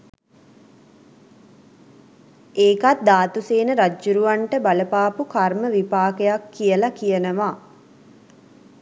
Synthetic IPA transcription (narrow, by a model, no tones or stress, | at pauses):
eːkat̪̚d̪aːt̪useːnəɾad͡ʒːuɾuʋaɳʈəbaləpaːpukarməʋipaːkejakːijəlakijənəʋaː